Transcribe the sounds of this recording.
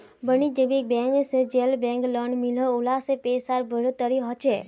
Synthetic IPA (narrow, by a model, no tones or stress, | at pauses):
bənid͡ʒebek̚bɛ̃ŋksed͡ʒelbɛ̃ŋklɔɳmiləulasepesaɾbʱəɽt̪əɾiɦɔt͡ʃʰe